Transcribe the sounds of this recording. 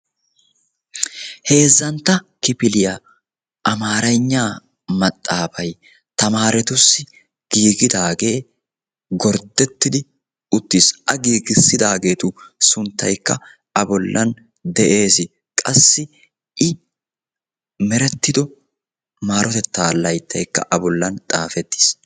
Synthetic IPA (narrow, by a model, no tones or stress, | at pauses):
he̞ːzːɐnt̪ːɐkɪpɪlɪjɐ | ʔɐmaːɾɐjɲːaː | mɐt̪ʼːaːfɐj | t̪ɐmaːɾɛt̪ʊsːɪ | ɡ̥iːɡɪd̪aːɡe̞ː | ɡɔɾd̪ɛt̪ːɪd̪ɪ | ʊt̪ːiːsʔɐɡiːɡɪsːɪd̪aːɡe̞ːt̪ʊsʊnt̪ːɐ̰jkːɐ | ʔɐbɔlːɐn | d̪ɛʔe̞ːsɪ | kʼɐsːɪ | ʔɪ | mɛɾɛt̪ːɪd̪ɔ | maːɾɔt̪ɛt̪ːaːlːɐjt̪ːɐjkːɐ̰ʔɐbɔlːɐnt̪ʼaːfɛt̪ːɪ̥s